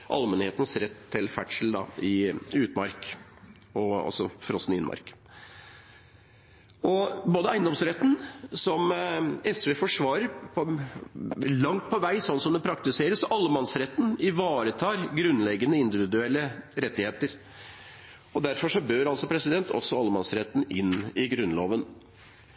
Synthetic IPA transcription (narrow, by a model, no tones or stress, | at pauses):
ʔɑ̰lmɛnheːt̪n̩sɾɛt̪ʰːɪlfæʈʂəl̩d̪ɑ̰ɪʉːt̪mɑ̰ɾk | ɔɑ̰sɔ̰fɾɔst̪n̩ɪɪ̰nmʔɑ̰ɾk | ɔboːd̪əæɪnd̪ɔmsɾɛt̪ːn̩sɔmɛsʋeːfɔʂʋɑːɾəɾpʰɔ | lɑŋt̪̚pʰɔʋæɪsɔnːsɔmd̪ɛpʰɾɑkt̪ɪseːɾəsɔɑlːəmɑnsɾɛt̪ːn̩ɪʋɑːɾət̪ʰɑːɾɡɾʉnlɛɡənəɪnd̪ɪʋɪd̪ʉɛlːəɾɛt̪ːɪheːt̪əɾ | ɔd̪æɾfɔʂɔbøːɾɑlsɔpʰɾɛsɪd̪ɛnt̪ʰɔ̰sːɔɑlːəmɑnsɾɛt̪ːn̩ɪnɪɡɾʉnːloːʋən